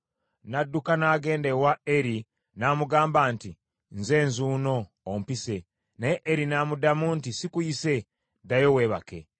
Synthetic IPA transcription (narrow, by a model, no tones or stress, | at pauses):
nadːukanaːɡe̞ːndewaeɾi | naːmuɡaːmbanti | nze̞ːnzuːno̞ː | mpise̞ | neʔːɾinaːmudamuntisikujise̞ | dajowe̞ːβake̞̰